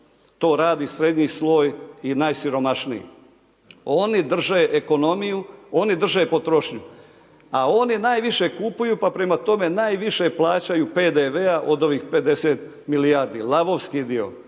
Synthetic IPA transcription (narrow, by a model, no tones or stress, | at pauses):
t̪o̞ːɾaːd̪isɾe̞d̪ɲislo̞ːjinaːjsiɾo̞maʃnijḭ | o̞nid̪r̩ʒeʔeko̞no̞mijuo̞nid̪r̩ʒe̞po̞t̪ɾo̞ʃɲu | ao̞ninaːjʋiʃe̞kupujupapɾe̞mat̪o̞me̞naːjʋiʃe̞plˠaːt͡ɕajupeːd̪eʋeaʔo̞d̪o̞ʋiːxpe̞d̪e̞seːt̪ | milijaːɾd̪ḭːlˠaboʋskid̪io̞̰